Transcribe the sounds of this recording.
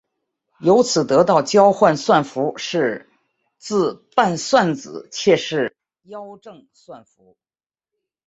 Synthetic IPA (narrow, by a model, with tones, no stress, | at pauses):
jo˧˥ʊt͡sʰɹ̩˨˩t̪ɤ˧˥t̪ɑ˥˩ʊt͡ɕjɑ˥ʊxwa˥˧nswa˥˩nfu˧˥ʂɻ̩˥˧ | t͡sɹ̩˥˧pa˥˧nswa˥˩nt͡sɹ̩˨˩˦t͡ɕʰjɛ˥˧ʂɻ̩˥˩ | jɑ˥ʊʈ͡ʂɤ˥˩ŋ | swa˥˩nfu˧˥